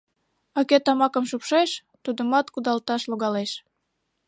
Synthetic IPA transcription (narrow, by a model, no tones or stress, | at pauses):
ɑket̪ɑmɑkəmʃupʃeʃ | t̪ud̪əmɑt̪kud̪ɑlt̪ɑʃloɣɑleʃ